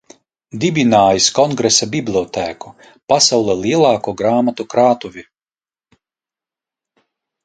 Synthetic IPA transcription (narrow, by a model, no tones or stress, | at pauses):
d̪ibʲinaːjiskɔŋɡɾɛsabʲiblʲˠiɔt̪æːku | pasawlˠɛlʲˠiɛlˠɑːkuɔɡɾaːmat̪ukɾaːt̪uvʲi